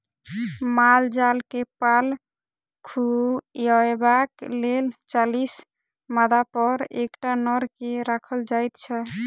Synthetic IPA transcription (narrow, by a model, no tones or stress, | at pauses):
mald͡ʒalkepal | kʰuɔebaklelt͡ʃalis | mad̪apɔɾekʈanɔɾkeɾakʰəld͡ʒajt̪t͡ʃʰɛ